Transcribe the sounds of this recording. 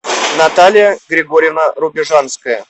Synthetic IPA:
nɐt̪alʲɪjəɡɾʲɪɡoɾʲɪvnəɾʊbʲɪʐanskəjə

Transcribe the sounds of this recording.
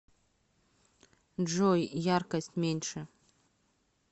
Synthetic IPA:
ʐojjarkɐsʲtʲmʲenʲʂɛ

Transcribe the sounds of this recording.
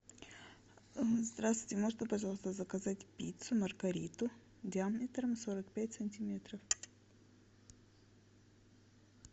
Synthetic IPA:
zd̪ɾasvʊjtʲɪmo̞ʐɨt̪ʲɪpɐʐɑlˠəst̪əzəkɐzatʲpʲit̪sʊmərɡɐɾʲit̪ʊ | dʲɪammʲɪt̪ɾəmso̞ɾəkpʲætʲsənʲtʲimʲet̪ɾəf

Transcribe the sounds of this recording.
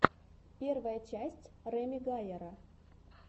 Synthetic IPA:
pʲe̞rvəjət͡ɕæsʲtʲrɛmʲɪɡajeɾə

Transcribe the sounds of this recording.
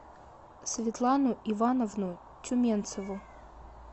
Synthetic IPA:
svʲɪt̪lˠanʊʔivanəvnʊ | tʲʊmʲent̪səvʊ

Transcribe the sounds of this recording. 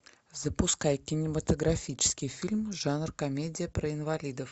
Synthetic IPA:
zəpʊskajkʲɪnʲɪmət̪əɡɾafʲit͡ɕɪ̥skʲɪjfʲilʲmʐanrkɐmʲedʲɪjəpɾəɪnvalʲid̪əf

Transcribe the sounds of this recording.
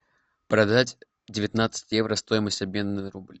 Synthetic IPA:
pɾɐd̪atʲ | dʲɪvʲɪt̪nat̪sɨ̥tʲjɛvɾəst̪o̞jɪməsʲtʲɐbʲmʲe̞nːɨɾublʲ

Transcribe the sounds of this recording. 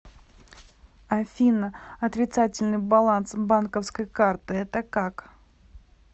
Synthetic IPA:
ɐfʲinəɐt̪ɾʲɪt̪satʲɪlʲnɨjbɐlˠansbankəfskəjkart̪ɨɛt̪əkak

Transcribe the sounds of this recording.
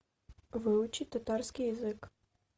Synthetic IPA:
vɨʊt͡ʃit̪ɐt̪arsʲkʲijɐzɨk

